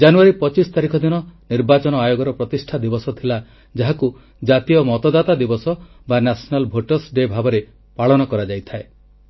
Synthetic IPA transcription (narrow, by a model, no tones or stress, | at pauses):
d͡ʒanuaɾipɔt͡ʃisɔt̪aɾikʰɔd̪inɔniɾbat͡ʃɔnɔajoɡɔɾɔpɾɔt̪isʈʰad̪ibɔsɔt̪ʰila | d͡ʒaɦaku | d͡ʒat̪ijɔmɔt̪ɔd̪at̪ad̪ibɔsɔ | banasɔnalbʱoʈɔsɖebʱabɔɾe | paɭɔnɔkɔɾad͡ʒajt̪ʰae